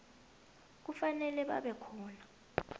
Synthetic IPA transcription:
k̬ufanɛlɛɓa̰ɓɛkʰɔːna

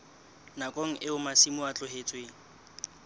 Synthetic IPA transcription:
nakʼoŋ̩ʔɪʊmasimʊat͡ɬʼʊɦet͡sʼweŋ̩

